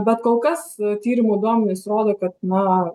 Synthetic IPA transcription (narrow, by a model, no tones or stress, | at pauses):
bʲɛt̪koːlˠkɐst̪ʲiːɾʲɪmʊɪd̪uɔmʲɛnʲɪsɾoːd̪oːkɐt̪̚nɐ